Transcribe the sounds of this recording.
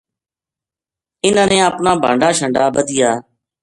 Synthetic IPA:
ɪnə̃ːnẽːəpnaːbʱa̰ːɳɖaːʃəɳɖaːbəd̪ɪjaː

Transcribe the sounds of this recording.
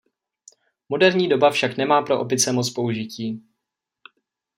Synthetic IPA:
mo̞dɛɾɲiːdo̞bafʃaknɛmaːpɾo̞ʔopɪt͡sɛmo̞t͡spo̞uʒɪciː

